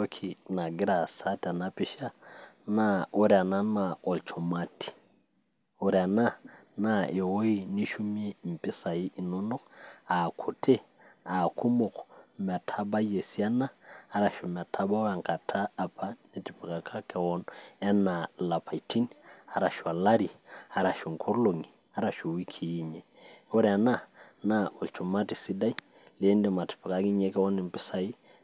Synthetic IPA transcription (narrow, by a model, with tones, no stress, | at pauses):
o˦kʰi˨na˨ɡi˦ɾa˨sa˦ta˨na˦pi˦ʃa˦na˦o˦ɾi˨a˨na˦na˨ɔ˨lt͡ʃʰɔ˨ma˦ti̥˨ | o˨ɾia˨na˦na˦˨e˨wo˦i˦˨ni˦ʃu˦mi˦e˦m̩˨pɪ˦sa˨i˦ʔi˨nɔ˦nɔ˦a˨kʰu˨tʰe˦ | a˨ku˦mo˨kɔmɛ˨tʰa˦ba˦je˨si˦a˦naː˦ɾa˨ʃo˨m˨a˨tʰa˦ba˦wa˨ŋka˨tʰaː˦˨pʰa˦nɛ˨ti˨pi˨ka˨kʰa˦kɛ˨wɔ˦nɛ˦na˨la˨pʰa˨iti˦na˨ɾa˨ʃa˨la˦ɾi˨a˨ɾa˨ʃo˨ŋkʰo˦ɾlo˨ŋi˨ | a˦ɾa˨ʃo˨wi˦kʰi˨ji˦ɲɛ˨o˦ɾɛ˨a˨na˦˨na˦o˨t͡ʃu˨ma˦ti˨si˦da˦i˦ | le˦nde˦˨ma˨ti̥˨pi˨ka˦ki˦ɲe˦kɛ˦wɔ˦nɪ˨mpɪ˦sa˨i˦